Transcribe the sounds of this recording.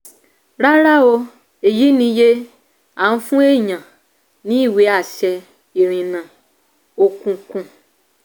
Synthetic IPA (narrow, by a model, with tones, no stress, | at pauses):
ɾa˦ɾa˦o˧ | e˨ji˨˦nĩ˧je˦ | a˨nũ˧fũ˦e˦˨ɲã˨ | nĩ˨˦i˦˨we˨˦a˦˨ʃɛ˧ | i˨ɾ̃ĩ˨nã˨ | o˧kũ˧kũ˧